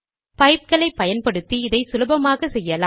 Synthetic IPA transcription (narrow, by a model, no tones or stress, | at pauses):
pɐɪp̚kɐɭɐɪpːɐjɐnpɐɽɯt̪ːiɪðɐɪsʊlɯbɐmaːɣɐsɛjːɐlaː